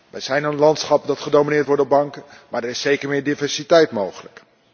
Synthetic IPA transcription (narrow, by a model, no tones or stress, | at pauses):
ʋɛjzɛjnənnlɑntsχɑpdɑtχədowminɪːɹtʋɔɹdɔbɑŋkəmaːdɛɹɪsejkəɹmɪːɹdivɛɹsitɛjtmowχələk